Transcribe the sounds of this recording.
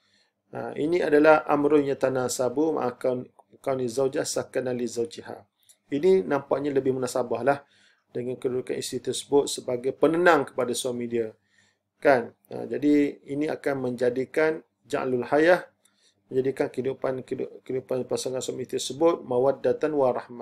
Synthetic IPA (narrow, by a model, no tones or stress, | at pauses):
ə̰ʔḭnĩadalahʔa̰mɾʊɲat̪anasabumã̰ʔakan | kawnizawd͡ʒasakanalizawt͡ʃiha̰ | ininãmpaʔɲaləbɪhmunasabahlah | dəŋankədudukanisit̪ərsəbʊt̪̚səbaɡajpənənãŋkə̥padasamidia | kan | ə̰d͡ʒadiinia̰kanməɲd͡ʒadikan | d͡ʒa̰ʔlulhajah | məɲd͡ʒadikankəidupankkəidupanpasaŋansamit̪ərsəbʊt̪̚mãwat̪̚dat̪anwarahmã